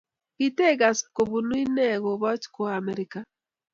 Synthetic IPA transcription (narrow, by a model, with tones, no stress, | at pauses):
i˦te˦ɣa˨sko˨βu˨nwi˦nɛ˦ɣo˨βɔ˦t͡ʃko˦a˨mɛ˨ɾika